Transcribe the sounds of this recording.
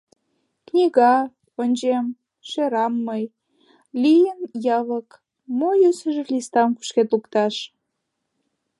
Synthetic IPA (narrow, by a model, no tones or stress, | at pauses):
knʲiɣɑ | onʲd͡ʑem | ʃeɾɑmːəj | lijənjɑβək | mojøsəʒelist̪ɑmku̥ʃket̪lukt̪ɑʃ